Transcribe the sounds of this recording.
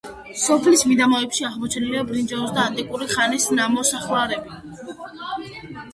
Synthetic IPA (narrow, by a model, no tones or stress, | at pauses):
sɔpʰlismid̪amaɛpʃiaʁmɔt͡ʃʰniliabɾind͡ʒɛɔsd̪aːnt̪ʼikʼuɾiχanisnamɔsaχlaɾɛbi